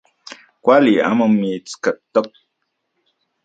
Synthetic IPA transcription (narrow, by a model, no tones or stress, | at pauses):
kwalia̰məmːit͡skət̪ːək̚